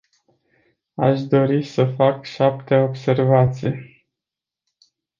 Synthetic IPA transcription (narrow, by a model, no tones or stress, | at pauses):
aʃd̪o̞ɾisəfakʃapt̪e̞o̞bse̞rvat̪sij